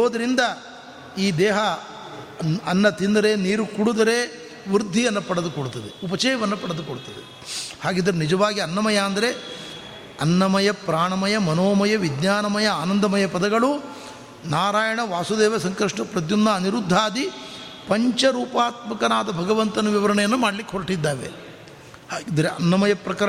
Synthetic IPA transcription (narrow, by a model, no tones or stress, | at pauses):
oːd̪ɐɾind̪ɐ | iːd̪ɛːɦɐ | ɐnːɐt̪ind̪ɐɾeniːɾukuɽud̪ɐɾe | ʋɾud̪ʱːijɐnːɐpɐɽed̪ukoɽut̪ɐd̪eupɐt͡ʃɛːjɐʋɐnːɐpɐɽed̪ukoɽut̪ɐd̪e | haːɡiːd̪ɐɾenid͡ʒɐʋaːɡiɐnːɐmɐjɐːnd̪ɐɾe̞ | ɐnːɐmɐjɐpɾaːɳɐmɐjɐmɐnoːmɐjɐʋid̪ɲaːnɐmɐjɐaːnɐnd̪ʱɐmɐjɐpɐd̪ɐɡɐɭu | naːɾaːjɐɳɐʋaːsud̪eːʋɐsɐŋkɾɐʂʈɐpɾɐt̪̬jund̪ɐɐniɾud̪ʱːaːd̪i | pɐɲt͡ʃɐɾuːpaːt̪mɐkɐnaːd̪ɐbʱɐɡɐʋɐnt̪ɐnɐʋiʋɐɾɐɳɐjɐnːumaːɽɐlikːeɦoɾʈid̪ːaːʋḛː | id̪ɐɾeʔɐ̰nːɐmɐjɐpɾɐkɾ